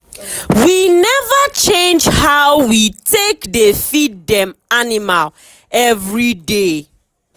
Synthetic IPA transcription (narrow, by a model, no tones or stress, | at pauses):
winɛvət͡ʃẽnd͡ʒhaʊwitʰekdefidɛ̃manimal | ɛvɹide